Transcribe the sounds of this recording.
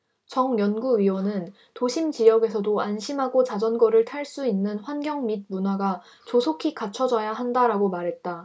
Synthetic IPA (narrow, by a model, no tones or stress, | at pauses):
t͡ɕʌŋjʌnɡuɥiwʌnɯn | toɕʰimt͡ɕijʌɡe̞s̬ʰʌdoanɕʰimɦaɡot͡ɕad͡ʑʌnɡʌɾɯɭtʰaɭs͈uinːɯnɸwanɡjʌŋmid̚munaɡa | t͡ɕosʰokʰikat͡ɕʰʌd͡ʑʌjaɦandaɾaɡomaɾɦe̞t̚t͈a